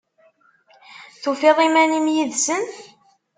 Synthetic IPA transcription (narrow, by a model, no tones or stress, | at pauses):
θufɪʁimænimjiðsən